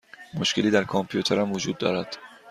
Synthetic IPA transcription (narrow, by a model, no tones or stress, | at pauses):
moʃkʰe̞liːd̪æɾkʰompʰijut̪ʰeɾæmvod͡ʒuːd̪̚ːɒ̰ːɾæd̪̥